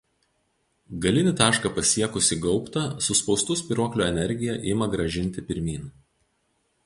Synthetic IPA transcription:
ɡɐlʲɪnʲɪt̪ɑːʃkɐpɐsʲiɛkʊsʲɪɡɒʊpt̪ɐsʊspɒʊst̪ʊsʲpʲiˑɾuɔklʲoːɛnʲɛɾʲɡʲɪjɛʔɪmɐɡɾɐʒʲɪnʲt̪ʲɪpʲɪɾʲmʲiːn

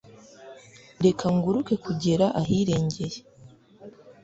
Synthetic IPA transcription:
de̞kʰaŋɡuɾuke̞kuɟe̞ɾaʔaɦiːɾe̞ːɲɟe̞je

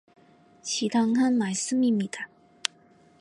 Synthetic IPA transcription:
t͡ɕʰit̪ʰaŋkʰanmaɪs̩mimit̪ʰa

